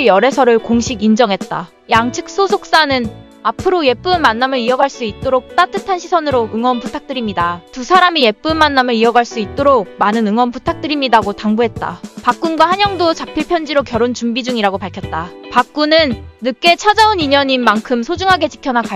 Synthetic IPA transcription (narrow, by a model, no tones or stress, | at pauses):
jʌɾe̞sʰʌɾɯɭkoŋɕʰiɡind͡ʑʌŋɦe̞t̚t͈a̰ | jaŋt͡ɕʰɯk̚s͈osʰok̚s͈anɯn | apʰɯɾoje̞p͈unmanːamɯɾiʌɡaɭs͈uit̚t͈oɾok̚t͈at͈ʰɯtʰanɕʰisʰʌnɯɾoɯŋwʌnputʰak̚t͈ɯɾimɲidatusʰaɾamije̞p͈unmanːamɯɾiʌɡaɭs͈uit̚t͈oɾok̚manɯnɯŋwʌnputʰak̚t͈ɯɾimɲidaɡotaŋbuɦe̞t̚t͈a̰pak͈̚unɡwahaɲjʌŋdot͡ɕapʰipʰjʌnd͡ʑiɾokjʌɾont͡ɕumbid͡ʑuŋiɾaɡopaɭkʰjʌt̚t͈apak̚k͈unɯnːɯk͈e̞t͡ɕʰad͡ʑauniɲʌɲimːaŋkʰɯmsʰod͡ʑuŋɦaɡe̞t͡ɕi̥kʰjʌnaka